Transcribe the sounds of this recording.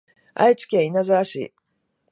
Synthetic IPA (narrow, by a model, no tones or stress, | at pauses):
a̰it͡ɕi̥kʲeinazɨaɕḭ